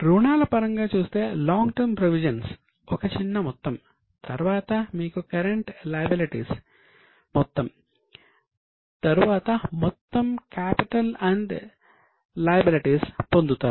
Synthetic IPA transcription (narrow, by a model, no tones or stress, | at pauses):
ɾuːɳaːlɐpɐɾɐŋɡaːt͡ʃuːst̪e̞ːlaːŋɡʈɐɾmpɾoʋid͡ʒɐns | ɔkɐt͡ʃinːɐmɔt̪ːɐm | t̪ɐɾʋaːt̪ɐmiːkukɐɾeɳʈlɐjɐbiliʈḭːs | mɔt̪ːɐm | t̪ɐɾuʋaːt̪ɐmɔt̪ːɐmkaːpiʈɐlɐɳɖ | lɐːjɐbiliʈiːspond̪ut̪aːɾu